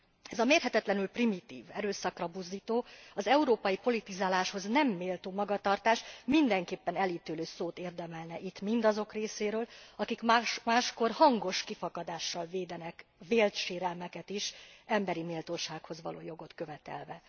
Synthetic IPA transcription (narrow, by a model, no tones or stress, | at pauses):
ɛzɒmeːrɦɛt̪ɛt̪lɛnylprimit̪ḭːvɛɾøːsɒkrɒbuzd̪iːt̪oːɒzɛuɾoːpɒjipo̞lit̪izaːlaːʃho̞znɛmːeːlt̪oːmɒɡɒt̪ɒrt̪aːʃmind̪ɛŋkeːpːɛnɛliːt̪yløːsoːt̪eːrd̪ɛmɛlnɛʔit̪mind̪ɒzo̞kreːseːɾøːlɒkikmaːʃko̞rhɒŋɡo̞ʃkifɒkɒd̪aːʃːɒlveːd̪ɛnɛkveːlt̪ʃeːɾɛlmɛkɛt̪iʃɛmbɛɾimiːlt̪oːʃaːkho̞zʋɒ̰lʔo̰ːjo̞ɡo̞t̪kø̞vɛt̪ɛ̰lvɛ